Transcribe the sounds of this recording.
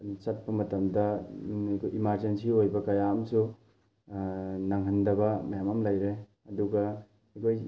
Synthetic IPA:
t͡ʃɐt̚pɐmɐtɐmdɐ | kʰojimaɾzensiojbɐkɐjaɐmsu | nɐŋɦɐndɐbɐmɐjamɐmlɐjɾe | ɐduɡɐ | ɐkʰoj

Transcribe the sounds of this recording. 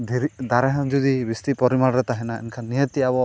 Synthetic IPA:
d̪ʱiɾid̪aɾɛɦãd͡ʒud̪ibist̪ipɔɾimaɭɾɛt̪aɦɛnaɛ̰nkʰanːijət̪iabɔ

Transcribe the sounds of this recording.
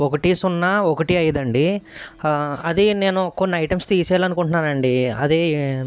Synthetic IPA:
okɐʈisunːaːokɐʈiɐjɐd̪ɐɳɖi | ɐd̪ine̞ːnukonːiɐjʈɐmst̪iːsjaːlɐnukuɳʈunaːnɐɳɖiɐ̰d̪e

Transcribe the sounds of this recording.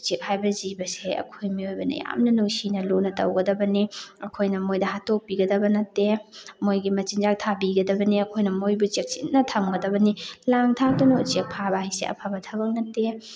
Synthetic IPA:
t͡ʃek̚hajbɐzibɐseɐ̰kʰojmiojbɐnɐ̰ja̰mnɐnuŋsinɐlunɐtɐ̰wɡɐdɐbɐniɐkʰojnɐmojdɐɦatok̚piɡɐdɐbɐnɐtːemojɡimɐt͡ʃinzak̚tʰabiɡɐdɐbɐniɐkʰojnɐmojbut͡ʃek̚t͡ʃinɐtʰɐmɡɐdɐbɐnilaŋtʰak̚dunot͡ʃek̚pʰabahisḛɐ̰pʰabɐtʰɐbɐk̚nɐtːe

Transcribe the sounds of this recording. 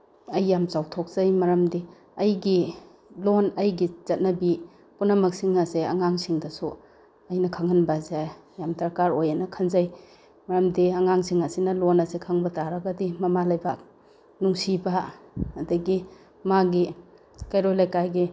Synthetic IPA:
ɐjːamt͡ʃawtʰok̚z̥ajmɐɾɐmdi | ɐjɡi | lonɐjɡizɐt̚nɐbi | punɐmɐk̚siŋɐseɐ̰ŋaŋsiŋdɐsu | ɐjnɐkʰaŋɐnbazajjamdɐɾkaɾojanɐkʰɐnzaj | mɐɾɐmdiɐŋaŋsiŋɐsinɐlonɐsekʰaŋbɐtaɾɐɡɐdimɐmalajbak̚ | nuŋsibɐɐdɐɡi | maɡi | kajɾojlajkajɡi

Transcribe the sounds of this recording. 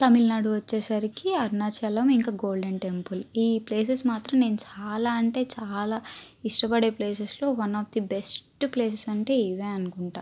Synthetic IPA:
t̪ɐmilnaːɽuʋɐt͡ʃːeːsɐɾikiɐɾnaːt͡ʃɐlɐmiŋkaːɡo̞ːlɖeɳʈe̞mpuliːple̞ːsesmaːt̪ɾɐmne̞ːnut͡ʃaːlaːɐɳʈe̞ːt͡ʃaːlaːiʂʈɐpɐɽe̞ːple̞ːsɐslo̞ːʋɐnɔːfd̪ibesʈple̞ːs̬esɐɳʈe̞ːiʋeːɐnukuɳʈaː

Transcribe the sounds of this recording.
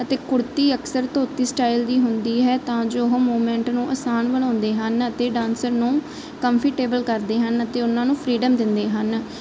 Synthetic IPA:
ət̪eːkʊɽt̪iːəksəɾt̪oːt̪iːsʈaːild̪iːɦʊnd̪iːɦɛːt̪ãːd͡ʒoːɦõmoːmɛ̃ːɳʈnũːʔəsaːnbəɽ̃ãːnd̪eːɦənət̪eːɖãːnsəɾnũː | kəmpʰɪʈeːbəlkəɾd̪eːɦənət̪eːʊnːãːnũːpʰɾiːɖəmd̪ɪnd̪eːɦən

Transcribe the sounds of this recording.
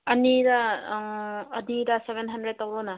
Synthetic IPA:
ɐniɾa | ɐniɾasebʱenɦɐndɾed̚tawɾona

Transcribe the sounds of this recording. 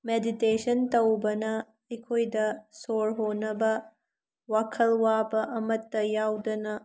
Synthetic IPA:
meditesɐntɐwbɐnɐ | ɐjkʰojdɐsoɾɦonɐbɐ | wakʰɐlwabɐʔɐmɐtːɐjawdɐnɐ

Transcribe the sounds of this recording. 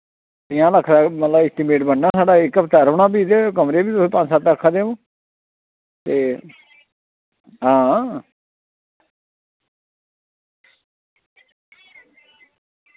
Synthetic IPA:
t̪ɪãːləkʰːd̪aːmət̪ləbɪsʈ̪imeːʈbənːaːsaːɖaːɪkːəpt̪əɾoːɳaːbiːd̪eːkəmɾeːbiːt̪ʊsẽːpãnd͡ʒsaːt̪əkʰːaːd̪eːõː | t̪eː | ɦãː

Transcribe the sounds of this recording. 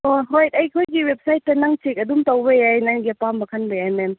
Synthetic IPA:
oɦojtajkʰojɡiwep̚sajtːɐnaŋt͡ʃik̚ɐdumtawbejajnaŋɡepambɐkʰanbɯjanɛm

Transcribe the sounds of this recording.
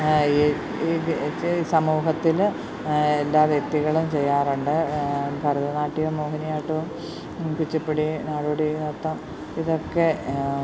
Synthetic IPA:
sɐmuːɦɐt̪ːil | elːaːʋjek̚t̪iɣɐɭumt͡ɕe̞jːaːruɳɖɨbʱɐɾɐðɐnaːʈːijɐmoːhɐnijaːʈːuʋum | kut͡ɕːɐpːeɽinaːɽuːɽenet̪ːɐm | iðo̞kːe

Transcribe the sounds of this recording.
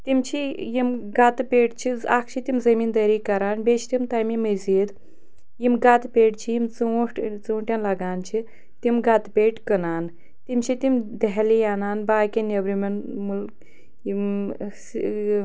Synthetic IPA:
t̪imt͡ʃʰijimɡat̪pʲeʈt͡ʃʰiakʰt͡ʃʰit̪imzɐmiːnd̪ɐɾikɐɾaːnbet͡ʃʰt̪imt̪ajmiməziːd̪ | jimɡat̪pʲeːʈt͡ʃʰijimt͡suʈt͡suːɳʈʲjanlaɡaːnt͡ʃʰi | t̪imɡɐt̪pʲeːʈkənaːn | t̪imt͡ʃʰit̪imd̪eɦlijanaːnbaːkʲinebɾimɐnmulk | i

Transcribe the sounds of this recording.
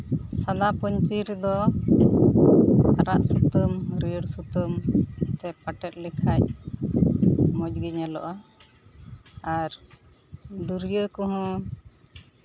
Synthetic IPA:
sad̪apɔɲt͡ʃiɾd̪ɔ | aɾaʔsut̪əmɾijəɽsut̪əmt̪ɛpaʈɛt̪̚ˀlɛkʰac̚ | mɔc̚ɡɛɲalɔʔa | ɾ | d̪uɾjəkɔɦɔ̃

